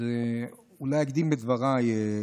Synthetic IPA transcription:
ulajaɡd̪imbed̪vaʁaj

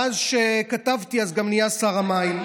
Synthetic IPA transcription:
azʃekatavtiazɡamnijasaʁamaim

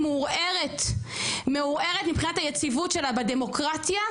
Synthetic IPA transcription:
muʁeʁet | meuʁeʁet̪mipχinathajet͡sivutʃe̞labedemo̞kʁat̪ja

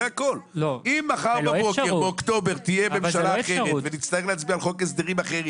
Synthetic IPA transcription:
ako̞llimːaχaʁbaboeʁbeokt̪o̞beʁt̪ijebemʃallaaːχe̞ʁet̪venitt͡st̪ae̞lehat͡sbialχo̞kes̬d̪eʁimaχeʁi

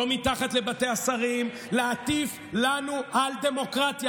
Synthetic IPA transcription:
omitaχat̪le̞bate̞asaʁim | leat̪if | lanuʔald̪e̞mo̞kʁat̪ja

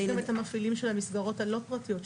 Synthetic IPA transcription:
amethamafilimʃelhamisɡaʁo̞thalo̞pʁatijo̞t

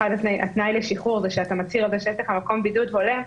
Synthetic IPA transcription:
adat̪najʔa̰t̪najleʃiχuʁzeʃeatamat͡siʁalzeʃeeʃeχamako̞mbidudɦo̞le

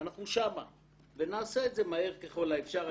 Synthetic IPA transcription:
naχnuʃama | ve̞naːseeːtze̞maeʁke̞χo̞laefʃaʁ

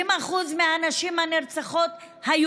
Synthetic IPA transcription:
imaχuzmeanaʃimhaneʁt͡saχot̪ | haj

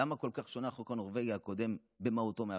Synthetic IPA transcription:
amakolkaχʃonaχokanoʁveɡjaako̞d̪e̞m | bemaut̪omea

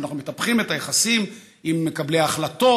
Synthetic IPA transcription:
naχnume̞t̪apχime̞tajeχasim | imːe̞kableaχlat̪o̞

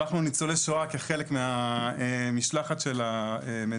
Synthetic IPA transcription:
aχnunit͡soleʃoakeχe̞lekmeaemiʃlaχaʃe̞lame

